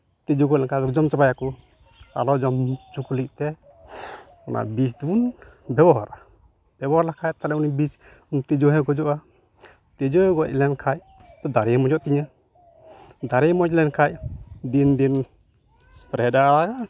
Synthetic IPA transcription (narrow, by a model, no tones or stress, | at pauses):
t̪id͡ʒɔɡɔlɛŋkad̪ɔd͡ʒɔmt͡ʃabajakɔ | a̰lɔd͡ʒɔmt͡ʃukulik̚t̪ɛ | ɔnʔa̰bisd̪unbɛbɔɦaɾʔa | b̥ɛbɔɦaɾlakʰajt̪alɛunibis | unt̪id͡ʒɔɦɛ̃ɡɔd͡ʒɔʔa | t̪ɛd͡ʒɔhɛ̃ɡɔc̚lɛnkʰaj | t̪ɔd̪aɾɛmɔd͡ʒɔʔt̪iɲa | d̪aɾɛmɔd͡ʒlɛnkʰacd̪ind̪in | pɾɛdaaaka